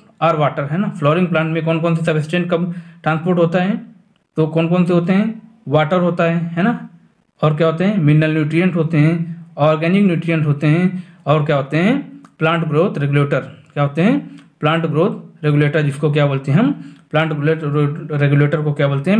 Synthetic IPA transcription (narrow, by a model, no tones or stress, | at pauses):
aɾʋaːʈəɾɦɛːnapʰlɔːɾɪ̃ŋɡ̚plãːɳʈmẽkɔːnkɔːns̬esɐbesʈẽɳʈkɐbʈɾãːnspoːɾʈɦoːt̪aɦɛː | t̪okɔːnkɔːnseɦoːt̪eɦɛ̃ː | ʋaːʈəɾɦoːt̪aɦɛːɦɛːna | ɔːɾkjaɦoːt̪eɦɛ̃mɪnːəlnjuːʈɾijə̃ɳʈɦoːt̪eɦɛ̃ɔːɾɡɛːnɪknjuːʈɾijə̃ɳʈɦoːt̪eɦɛ̃ɔːɾkjaɦoːt̪eɦɛ̃plãːɳʈɡɾoːt̪ɾeɡuleːʈəɾkjaɦoːt̪eɦɛ̃ːplãːɳʈɡɾoːt̪̚ɾeɡuleːʈəɾd͡ʒɪskok̬jaboːlt̪eɦɛmplãːɳʈɡleɾeɡuleːʈəɾkokjaboːlt̪eɦɛ̃